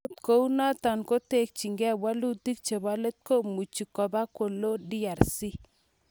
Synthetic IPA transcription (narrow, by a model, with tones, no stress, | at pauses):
tko˦u˦na˦ta˨nko˦te˦˨k̚t͡ʃi˨ŋɡɛ˦bwa˦lu˦ti˦k̚t͡ʃe˨ba˦le˦t̪̚ko˦mu˨t͡ʃi˨kɔ˨ba˦ko˨lo˦di˦a˨ɾsi˦